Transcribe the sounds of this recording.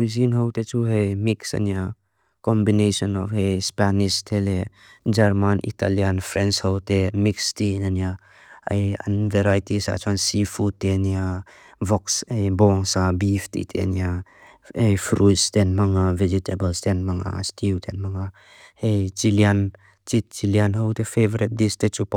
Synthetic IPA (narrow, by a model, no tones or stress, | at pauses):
wizinɦɐwtet͡ʃuɦejmiksɐ̰nija | kɔmbinesɔnɔfhejspanistʰele | d͡ʒɐɾmanʔḭtalianpʰɾɛnshɐwtemikstinanija | ɐ̰ja̰nveɾajtisa̰t͡ʃʰansifʰutenia | vɔksejbɔŋsabift̪ḭt̪ʰḛnia | ejfɾust̪ɛnmɐŋavɛd͡ʒit̪ʰebəlst̪ɛnmaŋa̰stʰiwt̪ʰɛnmɐŋa | hejt͡ʃilian | t͡ʃit̪̚t͡ʃilianɦowt̪efevɔɾit̚d̪ist̪et͡ʃup